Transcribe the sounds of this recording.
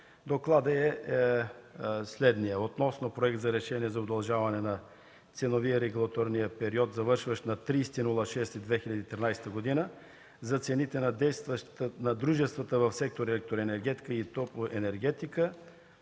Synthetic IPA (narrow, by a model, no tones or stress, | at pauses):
d̪oklˠad̪əɛ | slɛd̪nijəot̪nɔsnopɾoɛkt̪zɐɾɛʃɛniɛzɐod̪ɐlˠʒavɐnɛnɐ | t̪sɛnoviəɾɛɡulˠɐt̪ɔɾnijəpɛɾiɔt̪zɐvɤɾʃvəʃnɐt̪ɾijsɛ̥t̪inulˠəʃɛst̪id̪vɛxilʲɐd̪iːt̪ɾinajsɛ̥t̪əɡod̪inə | zɐt̪sɛnit̪ɛnɐd̪ɛjst̪vənɐd̪ɾuʒɛst̪vət̪əvɐfsɛk̚t̪oɾɛlɛk̚t̪oɾɛnɛɾɡɛt̪i̥kəit̪ɔpoʔɛnɛɾɡɛt̪ikə